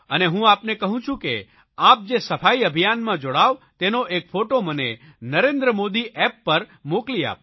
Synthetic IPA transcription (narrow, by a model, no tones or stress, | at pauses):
əneɦũapnekəɦũt͡ʃʰũkḛ | ap̚d͡ʒesəfaiəbʱijanmãd͡ʒoɽaʋt̪enoʔekfʰoʈoməne | nəɾend̪ɾəmod̪iʔɛpːəɾmoklia̰p̚